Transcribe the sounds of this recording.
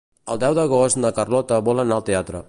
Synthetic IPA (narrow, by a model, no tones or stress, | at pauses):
əlˠd̪ɛwd̪əɣ̞ost̪nəkərlɔt̪əβɔlənaəlˠt̪eat̪ɾə̰